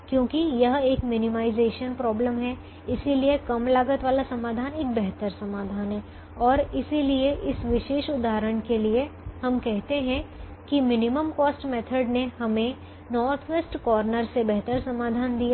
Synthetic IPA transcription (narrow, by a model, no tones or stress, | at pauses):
kjõːkijɐɦeːkmɪnɪmaːɪzeːʃənpɾɔːbləmɦɛ | ɪsiliekɐmlaːɡət̪ʋaːlasɐmaːd̪ʱaːneːk̚bɛɦt̪əɾsɐmaːd̪ʱaːnɦɛː | ɔːɾɪsilieʔɪsʋɪʃeːʃʊd̪ʱaːɾəɳ̃keliehɐmkɛɦt̪eɦɛ̃ | kimɪnɪməmkɔːsʈmɛːt̪ʰəɖnehɐmẽ | nɔːɾt̪ʰʋeːsʈkɔːɾnəɾsebɛɦt̪əɾsɐmaːd̪ʱaːnd̪ijaː